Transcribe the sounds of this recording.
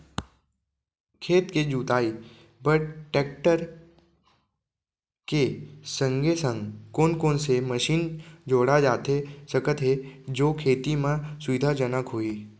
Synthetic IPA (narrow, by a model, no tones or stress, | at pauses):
kʰeːt̪ked͡ʒuːt̪aːi | bəʈʈeːk̚ʈəɾ | kesə̃ŋɡʱesə̃ŋɡkoːnkoːnseməʃiːnd͡ʒoːɽad͡ʒaːt̪ɦesəkət̪ɦed͡ʒoːkʰeːt̪imãsʊʋɪd̪ʱad͡ʒənəkɦoːiː